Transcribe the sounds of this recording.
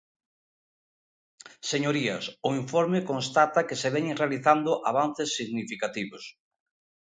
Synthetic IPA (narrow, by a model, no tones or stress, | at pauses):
seɲoɾiɐsʊiɱfɔɾmekõnst̪at̪ɐkeseβɛɲrealiθand̪ʊʔaβan̟θesːiɣnifikat̪iβos